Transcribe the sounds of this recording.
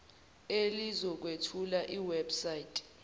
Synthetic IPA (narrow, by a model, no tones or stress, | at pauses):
elizɔk̬wetʰulaʔiwɛbsajitʼ